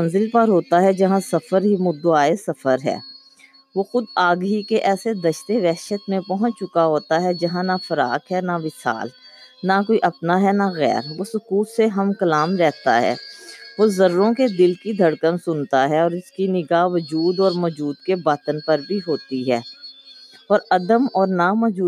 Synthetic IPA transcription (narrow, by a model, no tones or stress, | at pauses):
ənzɪlpəɾɦoːt̪aɦɛd͡ʒɐɦãsɐfəɾɦimʊd̪ːoaːesɐfʰəɾɦɛ̰ː | ʋoːxʊd̪aːɡɦikeʔɛːsed̪ɐʃt̪eʋɛːʃət̪mẽpɔɦʊ̃ɲt͡ʃt͡ʃʊkaɦoːt̪aɦɛd͡ʒɐɦãnafɐɾa̰ːkɦɛnaʋɪsa̰ːl | nakoːiʔɐpnaɦɛnaɣɛ̰ːɾʋoːsʊkuːt̪seɦɐmkɐlaːmɾɛɦt̪a̰ɦɛ̰ːʋoːzɐɾɾõked̪ɪlkid̪ʱɐɽkənsʊnt̪aɦɛɔːɾɪskinɪɡaːʋəd͡ʒuːd̪ɔːɾmɔːd͡ʒuːd̪kebaːt̪ənpɐɾbʱiɦoːt̪iɦɛː | ɔːɾɐd̪əmɔːɾnamɔːd͡ʒuː